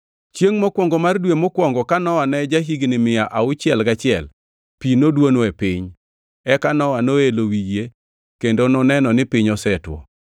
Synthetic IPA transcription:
t͡ʃjeŋmɔkwɔŋɡɔmardwemɔkwɔŋɡɔkanɔwanɛd͡ʒaɦiɡnɪmɪjaʔaʊt͡ʃɪɛlɡat͡ʃɪɛl | pinodwonɔepɪɲ | ɛkanɔwanoelowije | kendonɔnɛnɔnɪpɪɲɔsɛtwɔ̰

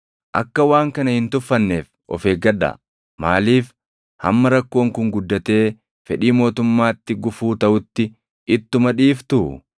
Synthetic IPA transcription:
ʔɐ̰kːɐwaːŋkɐnɐhɪnt̪ʊfːɐnːe̞ːf | ʔɔ̰fe̞ːɡɐᶑɐ̰ | ma̰ːliːf | hɐ̰mːɐɾɐkːo̞ːŋkʊŋɡʊd̪ːɐt̪e̞ː | fɛᶑiːmo̞ːt̪ʊmːaːt̪ːɪɡʊfuːt̪ɐʔʊt̪ːɪ | ʔɪt̪ːʊmɐᶑiːft̪ʊ

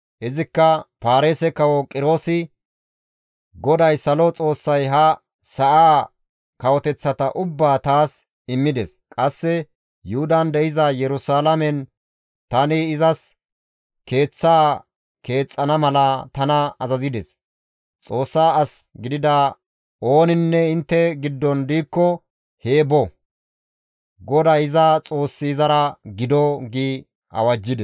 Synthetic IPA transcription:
ʔɪzɪkːɐpaːɾeːsɛkɐwɔkʼɪɾo̞ːsɪ | ɡɔd̪ɐjsɐlɔt͡sʼo̞ːsːɐjɦɐ | sɐʔaː | kɐwɔt̪ɛt͡sːɐt̪ɐʔʊbːaːt̪aːs | ɪmːɪd̪ɛskʼɐsːɛ | jʊhʊd̪ɐnd̪ɛʔɪzɐjɛɾʊsaːlɐmɛn | t̪ɐnɪɪzɐs | ke̞ːt͡sːaː | ke̞ːt͡sʼːɐnɐmɐlɐt̪ɐnɐɐzɐzɪd̪ɛs | t͡sʼo̞ːsːaːɐsɡɪd̪ɪd̪ɐ | o̞ːnɪnːɛɪnt̪ːɛɡɪd̪ːɔnd̪iːkːɔ | he̞ːbɔ | ɡɔd̪ɐɪzɐt͡sʼo̞ːsːiːzɐɾɐɡɪd̪ɔɡi | ɐ̰wɐd͡ʒːɪd̪ɛs

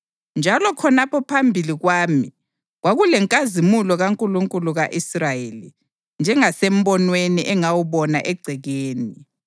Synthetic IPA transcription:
nd͡ʒʱalɔkʰɔnapʰɔpʰambʱiliɣwaːmi | ɣwaɣulɛŋkʼazimulɔɣaŋkʼuluŋkʼuluɣaʔisrajeli | nd͡ʒʱɛŋasem̩bɔnweniʔɛŋawuβɔnaʔɛɡ͡ǀʱiɣeːni

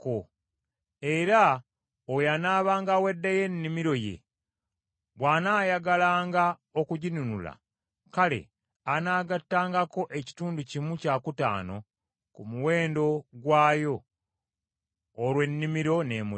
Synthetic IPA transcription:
ko | e̞ɾa | ojanaːβaːŋɡawe̞dːaje̞nːimiɾo̞je̞̰ | βwaːnaːjaɡalaːŋɡa | okuɟinunula̰ | kale̞̰ | anaːɡatːaːŋɡako̞ʔe̞ci̥tuːnducimucaːkuta̰ːno̞̰ | kumuwe̞ːndo̞ɡwaːjo̞ | ɾwe̞nːimiɾo̞ne̞ːmu

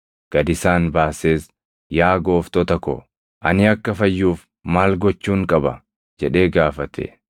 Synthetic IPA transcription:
ɡ̥ɐd̪ɪsaːnbaːseːs | jaːɡo̞ːft̪ɔt̪ɐkɔ̰ | ʔɐnɪɐkːɐfɐjːuːf | maːlɡɔt͡ʃːuːŋkʼɐbɐ | d͡ʒɛᶑe̞ːɡaːfɐt̪ʰɛ̰

